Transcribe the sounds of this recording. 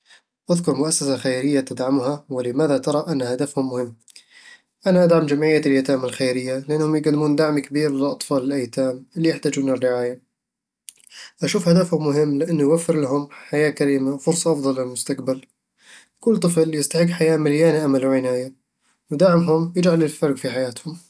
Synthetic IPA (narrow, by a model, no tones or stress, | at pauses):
ʔaðkʊɾmʊʔasːasaxajɾɪjːat̪ɪd̪ʕamhawɪlɪmaːðat̪ɑɾˤɑʔanːhad̪afhʊmːʊhɪmː | ʔanaʔad̪ʕamd͡ʒamʕɪjːaɪljat̪aːmɪlxajɾɪjːalɪʔɪnːhʊmjɪɡd̪ːɪmuːnd̪aʕmikɪbiːɾlɪlʔɑt̪ˤfɑːlɪlʔajt̪aːmɪlːijɪħt̪aːd͡ʒuːnɪrːɪʕaːja | ʔaʃuːfhad̪afhʊmːʊɦɪmːlɪʔɪnːujwafːɪɾlaɦʊmħajaːkaɾiːmawfʊɾsˤɑʔɑfd̪ˤɑlːɪlmʊst̪aqbal | kʊlːt̪ˤɨfljɪst̪aħɪɡːħajaːmɪljaːniʔamalwʕɪnaːja | wd̪aʕmɦʊmjɪd͡ʒʕalɪlfɑɾˤɡfiħajaːt̪hʊm